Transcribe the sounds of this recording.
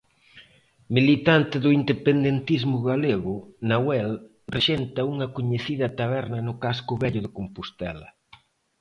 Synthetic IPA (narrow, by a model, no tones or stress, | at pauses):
milit̪ant̪ɪðʊind̪epend̪ent̪izmʊɣaleɣʊnawɛl | reʃent̪ɐuŋɐkoɲeθiðɐt̪aβɛɾnɐnʊkaskʊβɛʎʊðɪkompust̪ɛ̰lɐ̰